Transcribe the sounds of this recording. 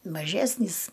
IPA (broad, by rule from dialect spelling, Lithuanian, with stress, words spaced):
mɐˈʒʲæːsʲnʲiːs